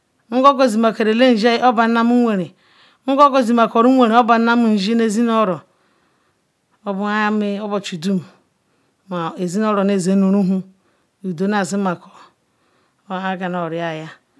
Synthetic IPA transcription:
ŋ̩˦ɡo˦ɡo˨zi˨ma˨ke˨ɾe˨le˦n̩˨d͡ʒa˦ji˦o˦ba˨n˦na˦mu˦e˨ɾe˨ | ŋ̩˦ɡo˦ɡo˨zi˨ma˨ko˨ɾu˦e˨ɾe˨o˦ba˨˦na˦m˨n̩˨d͡ʒi˦ne˦˨zi˦n˦o˦ɾo˨˦ | bu˦mi˦o˦bo˨t͡ʃu˨du˦m˨ | ma˨e˨zi˦no˦ɾo˨ne˦˨ze˨˦nu˨ɾu˦ɦu˦ | u˨do˨˦na˨zi˦ma˨ko̥˨˦˨ | a˦ɡa˨no˨ɾi˨a˨ja˦

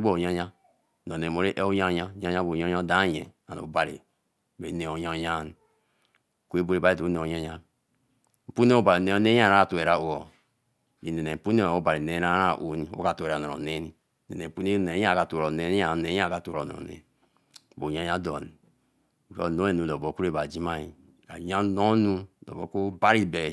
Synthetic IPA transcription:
bo˦˨ɲa˦ɲa˦ | no˨ne˨mo˨ɾe˦ʔe˦o˦ɲa˦ɲa˦ɲa˦ɲa˦bo˨ja˦a˦da˦˨jḛ˨a̰˨no̰˨˦ba˨ɾḭ˨ | be˨˦ne˨o˨ɲa˦˨ɲa˦˨n˨ | ku˦e˦bo˦ɾe˦˨ba˦e˦to˨u˦ne˨o˨ɲa˦ɲa˦ | m̩˨pu˦e˦o˦ba˨ɾi˨ne˦o˦ne˦˨a˦ka˨tu˨e˨ɾa˨o˨o˨ | i˨ne˨ne˨m̩˨pu˦ne˦˨o˦ba˨ɾi˨ne˨˦a˦ɾa˦˨ʔu˦n˦o̰˦ka˨tu˨e˨ɾa˨nɔ˨o̰˨ne˦n˦˨ | nḛ˨ne˨m̩˨pu˦ne˦e˨˦a˦˨ka˨tu˨o˨ne˦n˦a˦˨ne˨˦ã˦˨ka˨tu˨ɾo˨nɔ̰˨o̰˨nḛ˨˦ | bo˨ja˦ɲa˦dɔ˨n˨ | ko̰˦˨no˦e˨nu˨lo˨bo˨ku˦ɾe˦ba˨d͡ʒi˦ma˦i˨ | ka̰˨ja˦no˦nu˦lo̰˨bo̰˨˦ko˦ba˦ɾi˦be˨

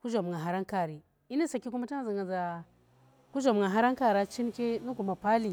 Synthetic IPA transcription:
ku˦d͡ʒo˨m˨ŋa˨ɦa˨ɾa˦ŋka˨ɾi˨ | i˦ni˦sa˨kːi˦ku˦ma˦ta˦a˨za˨ŋa˨za˨ | ku˦d͡ʒo˨m˨ŋɡa˨ɦa˦ɾa˦ŋka˨ɾa˦t͡ʃi˦n˦ke˦nu˦ku˨ma˨pa˦li˨

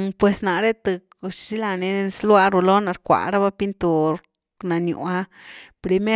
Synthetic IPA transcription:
pwe˨sna˨ɾe˦t̪ɨ˧ | ʃʃi˦la˧ne˧slwa˦˧ɾu˧lo˦na˧ɾkʷa̰˨ɾa˦βa˧pi˦nt̪u˨ɾ | na˨njṵ˨a˧pɾi˧me˦

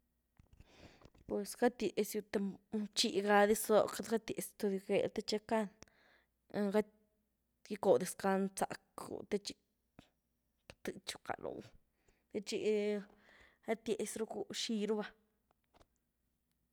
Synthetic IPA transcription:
pwe˨sɡa˦t̪je˨sju˧t̪e˧t͡ʃi˧ɡa˧d̪i˦szo˧ka˦d̪ɡa˦t̪je˨st̪o˧d̪u˧ɡe˧˨lt̪e˦t͡ʃa˧ka˦n | ɡa˦ | ji˦ko˨d̪i˧ska˧nt͡sa̰˨kṵ˨t̪e˦t͡ʃi˧ | t̪ɨ˧t͡ʃu̥˧ka̰˨lo̰˨w | t̪e˧t͡ʃi˦˧ʔ | a˦t̪je˨sɾu˦ku˦ʃi˧ɾu˦ba˧

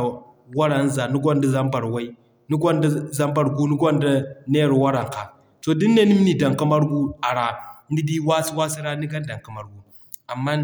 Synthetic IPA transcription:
wa˦ɾa˨n˦za˨nu˦ɡʷa˦nda˦za˦mba˨ɾwa˦i˦ | nu˦ɡʷa˦nda˦za˦mba˨ɾɡu˦nu˦ɡʷa˦nda˦ne˦ɾwa˦ɾa˨ŋka˨ | to˨di˦nːe˦ni˦m˦ni˨da˨ŋka˦ma˦ɾɡu˦a˨ɾa˨ni˦di˦wa˦si˦wa˦si˦ɾa˦ni˦ɡa˦n˦da˨ka˨ma˨ɾɡu˨ | a˨mːa˦n

